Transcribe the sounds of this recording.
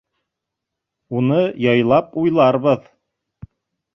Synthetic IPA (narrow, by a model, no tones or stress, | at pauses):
unɤjɑjlˠɑpujlˠɑɾβɤð